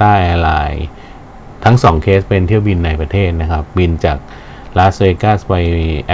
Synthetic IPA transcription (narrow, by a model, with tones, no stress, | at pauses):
aː˥˩ʔɛː˧la̰ː˧j | t̪ʰa˦˥ŋsɔː˩˦ŋkʰeː˦˥spe˧nt̪ʰi˥˩əwbi˧nːa˧jpɾa˧t̪ʰeː˥˩t̪̚na˦˥kʰa˦˥p̚bi˧nt͡ɕaː˨˩k̚ | laː˦˥seː˧kaː˥˩spa˧jʔɛ˧